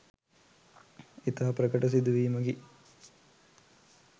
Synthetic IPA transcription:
it̪ɐɦɐpɾəkəʈɐs̬id̪uʋiːməɡi

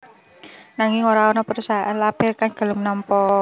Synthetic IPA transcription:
naŋɪŋoɾaɔnɔpəɾusaɦʔanlapɪrkanɡ̥a̤lʊmnɔmpɔ

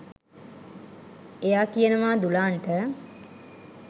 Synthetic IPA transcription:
ejaːkijənəʋaːd̪ulaːɳʈə

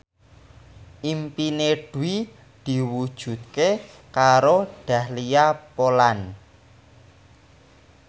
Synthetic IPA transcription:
ʔimpineɖ̥ṳwi | d̪̥i̤wud̥ʒ̥ṳt̪̚ke | kaɾoɖ̥a̤hliapolan

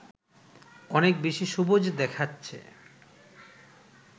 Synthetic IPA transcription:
ɔnek̚beʃiʃubod͡ʑd̪ɛkʰatːɕʰḛ

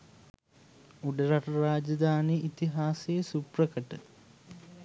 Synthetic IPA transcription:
uɖɐɾɐʈɐɾaːd͡ʒɐd̪aːniit̪iɦaːsejɐsuprɐkɐʈə

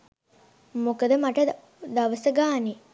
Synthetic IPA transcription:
mokəd̪əmaʈə | d̪ɐʋəsəɡaːni

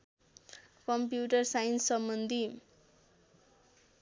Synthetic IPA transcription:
kʌmpjuʈʌrsajinsʌmbʌnd̪ʱi

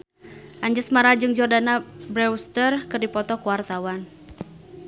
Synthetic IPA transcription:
ʔaɲd͡ʒɨsmaɾad͡ʒɨŋd͡ʒɔrdanabɾɛwst̪ərkɨrdipɔt̪ɔkuwart̪awan

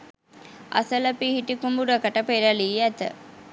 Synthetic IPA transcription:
ʔɐ̰sələpihiʈikumbuɾɐkəʈəpeɾɐliːæt̪ə̰

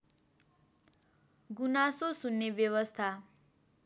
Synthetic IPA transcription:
ɡunasosunːebjʌwʌst̪ʰa

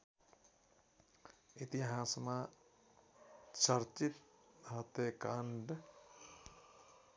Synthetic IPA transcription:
it̪iɦaːsma | t͡ʃɐɾt͡ʃit̪ɦɐt̪eːkaːɳɖ

